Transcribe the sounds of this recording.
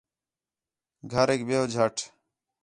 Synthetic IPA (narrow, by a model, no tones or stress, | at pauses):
ɡʱəɾeːk̚beːɦod͡ʒʱəʈʰ